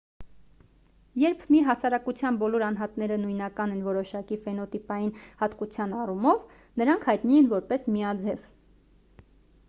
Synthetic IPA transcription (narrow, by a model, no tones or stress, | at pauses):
jɛɾpʰmiɦɑsɑɾɑkut͡sʰjɑnbɔlɔɾɑnɦɑt̪nɛɾənujnɑkɑnɛnvɔɾɔʃɑkifɛnɔt̪ipɑjinhɑt̪kut͡sʰjɑnɑrumɔv | nəɾɑŋkʰhɑjt̪nijɛnvɔɾpɛsmiɑd͡zɛv